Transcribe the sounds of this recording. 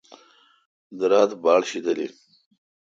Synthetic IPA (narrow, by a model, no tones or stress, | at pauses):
d̪əɾɑːt̪bɑːɽɕid̪əlḭ